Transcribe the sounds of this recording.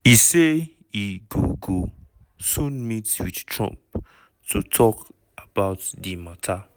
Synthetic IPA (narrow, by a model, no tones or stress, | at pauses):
ise | iɡuɡo | sũnmitswidtʰɹɔ̰̃mp̚ | tʰutʰɔk | ʔabaʊtdimatʰa